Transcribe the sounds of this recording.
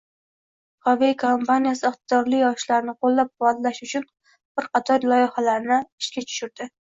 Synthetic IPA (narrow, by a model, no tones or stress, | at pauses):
χɒvikʰompanijasɪɨχt̪ɪd̪̥ɒɾlɪjjɒʃlaɾnɪqolˠːap̚qʊwɒd̪laʃʊt͡ʃʰʊn | b̥ɪɾqʰɑt̪ʰɒɾlˠɒjɪhalaɾnɪɪʃkʲat͡ʃʰʊ̥ʃʊɾd̪̥ɪ